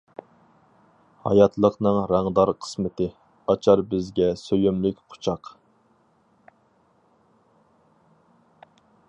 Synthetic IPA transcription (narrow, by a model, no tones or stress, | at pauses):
hɑ̰jɑt̪ʰlˠəqnɨŋɾæŋd̪ɑɾqʰə̥smɪt̪ɪ | ɑt͡ʃʰɑɾbɪzɡʲɛsøjymlɪkʲqʰʊ̥t͡ʃʰɑq